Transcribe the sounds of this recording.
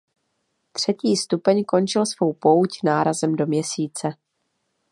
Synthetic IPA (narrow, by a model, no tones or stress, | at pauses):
t̪r̝̥ɛciːst̪upɛɲko̞nt͡ʃɪlsv̥o̞wpo̞wcnaːɾazɛmdo̞mɲɛsiːt͡sɛ